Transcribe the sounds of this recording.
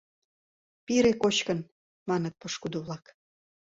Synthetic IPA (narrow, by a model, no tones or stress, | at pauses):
piɾekot͡ɕkən | mɑnət̪̚pɤʃkud̪oβlɑk